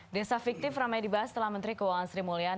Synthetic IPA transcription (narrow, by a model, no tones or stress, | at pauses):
desafik̚t̪ɪframajdibaɦast̪əlahmənt̪ɾikəwaŋansɾimolia